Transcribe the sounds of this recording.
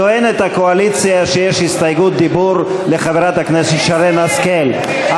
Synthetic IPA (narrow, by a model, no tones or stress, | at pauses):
oenet̪akoalit͡sjaʃejeʃhist̪ajɡut̪̚d̪ibuɾ | le̞χaveʁat̪hakneset̪ʃaɾenaskel | a